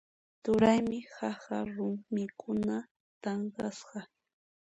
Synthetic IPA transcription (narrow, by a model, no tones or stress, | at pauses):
t̪ʊɾajmɪhahaɾʊmɪkʰʊna | t̪ɑɴɢɑsɢɑ